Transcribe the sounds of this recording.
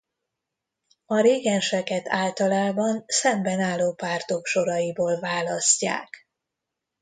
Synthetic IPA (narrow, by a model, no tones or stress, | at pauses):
ɒɾeːɡɛnʃɛkɛt̪aːlt̪ɒlaːbɒnsɛmbɛnaːlːoːpaːrt̪o̞kʃo̞ɾɒjiboːlvaːlɒsca̰ːk